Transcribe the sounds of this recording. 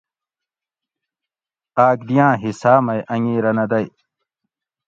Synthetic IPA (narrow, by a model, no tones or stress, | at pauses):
aːkd̪ijãːɦisaːmɐjʔɐŋiːɾɐnɐd̪ɐj